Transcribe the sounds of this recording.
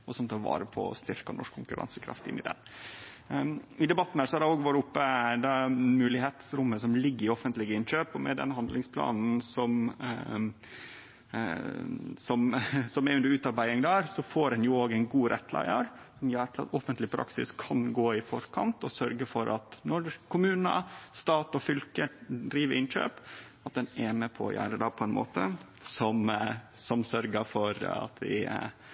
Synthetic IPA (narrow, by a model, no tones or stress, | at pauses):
ɔsɔmt̪ʰɑːɾʋɑ̰ːɾəpʰɔ̰ɔ̰st̪ʏɾkɑnɔ̰ʂkʰːʊŋkʉɾɑ̰nsə̥kʰɾɑ̰ft̪ɪ̰nːɪd̪ɛ̰n | ɪd̪ɛbɑt̪ːn̩hæːɾʂɔhɑɾdɛoːɡʋɑɾɪʊpːəd̪ɛmʉːlɪheːt̪sɾʊmːəsɔmlɪɡːəɾɪɔfənt̪lɪɡəɪnɕøːpɔmɛ̰d̪ɛ̰nɦɑnd̪lɪŋspʰlɑ̰ːnn̩sɔm | sɔmsɔmɛɾʉnd̪əɾʉːt̪ɑɾbæɪɪŋd̪æːɾsɔfoːɾɛnjʊoːɡɛɪnɡuːɾʔɛ̰t̪ːlæ̰ɪə̰ɾ | sɔmjøːɾʈ̪ʰɪlɑ̰t̪ɔfənt̪lɪpʰɾɑ̰ksɪ̰skʰɑnɡoːɪfɔɾkʰɑnt̪ɔsœɾɡəfɔɾʔɑt̪nɔɾkʰʊmʉːnə̰st̪ɑːt̪ɔfʏlkəɖɾiːʋəɾɪnʃø̰ːp | ɑt̪̚d̪ɛnɛːnəpʰɔɔ̰jʔæ̰ːɾəd̪ɑːpʰɔɛnmo̰ːt̪ə | sɔmsɔmsœɾɡəfɔɾɑ̰t̪ʰʋɪ̰